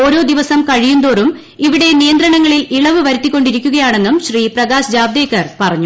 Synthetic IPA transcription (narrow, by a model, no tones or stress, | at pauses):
o̞ːɾo̞ːd̪iʋɐsɐmkɐɻijund̪o̞ːrum | iʋiɽe̞nijɐnd̪ɾɐɳɐŋːɐɭiliɭɐʋɨʋɐɾut̪ːikʲːo̞ɳɖiɾikʲːuɣɐjaːɳe̞nːumɕriːprɐɡaːsd͡ʑaːb̚d̪eːkːɐrpɐrɐɲːu